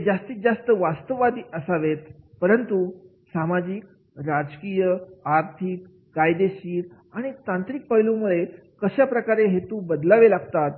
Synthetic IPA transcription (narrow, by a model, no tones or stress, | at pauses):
d͡zast̪iːk̪̚d͡zast̪əʋast̪əʋad̪iːʔəsaʋet̪pəɾənt̪u | samad͡ʑik | ɾad͡ʑkijəaɾt̪ʰikː | ajd̪eɕiːɾ | aɽ̃it̪ãnt̪ɾik̚pəjlumuɭe | kəɕjapɾəkaɾeɦet̪ubəd̪laʋelaɡt̪at̪